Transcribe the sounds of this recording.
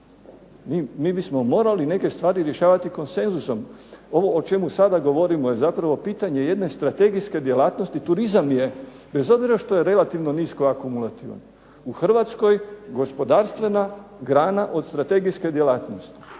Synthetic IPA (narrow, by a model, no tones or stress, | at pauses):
miːmiːbismo̞mo̞ːɾaline̞ke̞st̪ʋaːɾiɾje̞ʃaːʋat̪iko̞nse̞nzuso̞mo̞ʋo̞ot͡ʃe̞musad̪aɡo̞ʋo̞ɾimo̞je̞zapɾaʋo̞piːt̪aɲe̞je̞d̪ne̞st̪ɾat̪e̞ɡiske̞d̪je̞laːt̪nost̪it̪uɾizamje̞ | be̞zo̞bziɾaʃt̪o̞je̞ɾe̞lat̪iʋno̞niːsko̞akumulˠat̪ḭʋ̰n | uxr̩ʋat̪sko̞jɡo̞spo̞d̪aːɾst̪ʋe̞naɡɾaːnaʔo̞d̪st̪ɾat̪e̞ɡiske̞d̪je̞laːt̪no̞st̪i̥